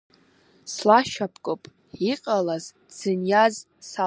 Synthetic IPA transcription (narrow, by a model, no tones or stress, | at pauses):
slaʃapʰkʼopʼ | iqʼalaz | d͡z̥ɨnjaz | sa